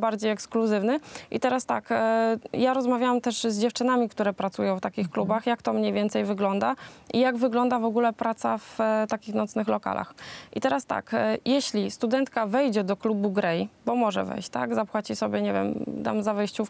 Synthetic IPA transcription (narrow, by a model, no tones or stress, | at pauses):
baɾd͡ʑejɛkskluzɘvnɘʔḭt̪ɛɾast̪a̰kjaɾɔzmavʲjawamt̪ɛʂzd͡ʑɛft͡ʂɘnamʲikt̪uɾɛpɾat̪sujɔ̃w̃ft̪akʲixklubaxjakt̪ɔmɲejvʲɛnt̪sɛjvɘɡlɔnd̪aʔijaɡvɘɡlɔnd̪avɔɡulɛpɾat̪saft̪akʲixnɔt̪snɘxlɔka̰lʔa̰xʔit̪ɛɾast̪a̰kjɛɕlʲist̪ud̪ɛnt̪kavɛjd͡ʑɛd̪ɔklubuɡɾɛjbɔmɔʐɛ̰vɛ̰jɕt͡ɕt̪a̰ɡzapwat͡ɕisɔbʲjɛɲevʲjɛ̰md̪a̰mzavɛjɕt͡ɕuf